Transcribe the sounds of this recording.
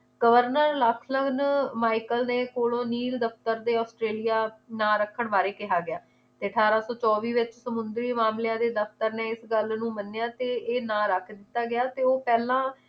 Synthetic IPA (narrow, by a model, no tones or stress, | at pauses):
ɡəʋəɾnəɾləkʰləɡnmaːɪkəlneːkoːlõːniːld̪əpt̪əɾd̪eːɔːsʈɾeːlijaːnãːɾəkʰːəɳʋaːɾeːkɪɦaːɡɪjaː | t̪eːəʈʰaːɾaːsɔːt͡ʃɔːʋiːʋɪt͡ʃsəmʊnd̪ɾiːmaːmlɪjãːd̪eːd̪əfʰt̪əɾneːɪsɡəlnũːmənːejaːt̪eːeːnãːɾəkʰd̪ɪt̪ːaːɡɪaːt̪eːoːpɛːlãː